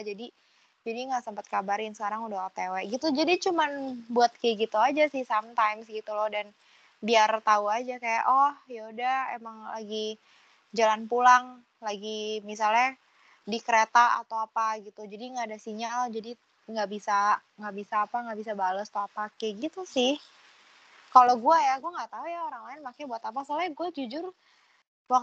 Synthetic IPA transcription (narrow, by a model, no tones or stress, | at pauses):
ad͡ʒadi | d͡ʒadiŋɡaʔsəmpat̪̚kabaɾɪnsəkaɾaŋudat̪ewɛʔɡit̪ud͡ʒadit͡ʃumanbuat̪̚kɛɡit̪uad͡ʒasɪhsamt̪ajmsɡit̪ulɔhdan | biart̪auad͡ʒakaja̰ʔɔhjaudahḛmaŋlaɡi | d͡ʒalanpulaŋ | laɡimis̬alɲa | dikəɾet̪aa̰t̪awapaɡit̪ud͡ʒadiŋɡaːdasiɲald͡ʒadi | ŋɡaʔbisaŋɡaʔbisaːpaŋɡabisabalʊst̪aapakɛɡit̪usɪh | kaloɡuajaɡuaŋɡaʔt̪aujaoɾaŋlaɪnmakabuat̪apasalaɡuad͡ʒud͡ʒʊr | wak